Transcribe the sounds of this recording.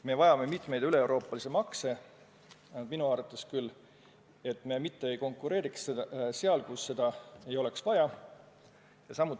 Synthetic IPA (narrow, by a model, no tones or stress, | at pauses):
me̞vɑjɑme̞mit̪ˑme̞jd̪yle̞ewɾo̞ːpːˑɑlise̞mɑkse̞ | nɑd̪minuɑːrɑt̪ːˑe̞skylː | e̞t̪ːˑme̞mit̪ˑːe̞ejko̞ŋkːˑuɾe̞ːɾikseseɑlkusːe̞d̪̥ɑe̞jo̞le̞ksvɑjɑ | jɑsɑmːut̪ː